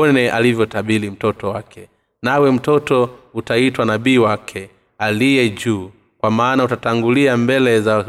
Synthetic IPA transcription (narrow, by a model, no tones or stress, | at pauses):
ɔnɛʔa̰livjɔtaɓilim̩tɔtɔwakʰɛ | nawɛm̩tɔtɔutaitwanaɓiːwakʰɛ | alijɛd͡ʒuː | kwamaːnautataŋɡuliambɛlɛza